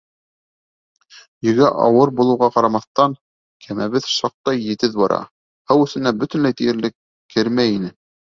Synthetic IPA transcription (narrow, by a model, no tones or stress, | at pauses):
jɵ̆ɡæʔɑ̰wɤɾbulˠɤ̆wʁɑqɑɾɑmɑθt̪ɑŋ | kʰæmæβɘðʃɑq̚t̪ɑjːɘ̆t̪ɘðbɑɾɑ̰ | hæwɵ̆θɘ̆næbɵ̆t̪ɘ̆nlæjt̪ijɘ̆ɾlɘkː | ɘɾmæjinɘ